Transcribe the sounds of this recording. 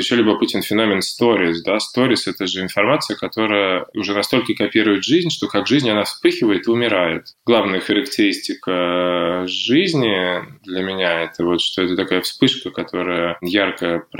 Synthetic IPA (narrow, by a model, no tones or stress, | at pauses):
ɪɕːolʲɪbəpɨtʲɪnfʲɪno̞mʲɪnst̪o̞ɾʲɪsd̪ast̪o̞ɾʲɪsɛt̪əʐɨɪnfɐrmat̪sɨjəkɐt̪o̞ɾəjəʊʐɛnɐst̪o̞lʲkəkɐpʲiɾʊjɪt̪ʐɨzʲnʲʂt̪o̞kaɡʐɨzʲnʲɐnafspɨxʲɪvəjɪt̪ɨʊmʲɪɾajɪt̪ɡlˠavnəjəxəɾəktʲɪɾʲisʲtʲɪkə | ʐɨzʲnʲɪd̪lʲəmʲɪnʲaɛt̪əvo̞t̪ʂt̪o̞ɛt̪ət̪ɐkajəfspɨʂkəkɐt̪ʰo̞ɾəjəjarkəjəp